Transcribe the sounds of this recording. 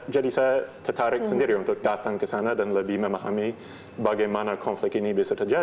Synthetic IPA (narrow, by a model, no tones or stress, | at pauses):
d͡ʒadisajat̪ʰət̪ʰaɾɪk̚səndiɾiunt̪ʊk̚dat̪aŋkəsanadanləbiməmaɦa̰mi | baɡajmanakʰɔnflɪk̚inibɪsət̪ʰəd͡ʒa